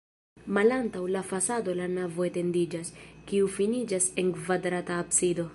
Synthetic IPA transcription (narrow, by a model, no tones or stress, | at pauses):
malantawlafasado̞lanavo̞ete̞ndid͡ʒaskiufinid͡ʒase̞ŋkvadɾataːpsido̞